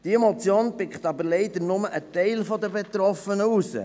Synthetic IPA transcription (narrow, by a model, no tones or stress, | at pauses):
d̥iemot͡sjoːnpɪkχt̪ɑbəɾleɪd̪əɾnʊməʔət̪ɛɪlfɔd̪əbet̪ɾɔfənəusə̰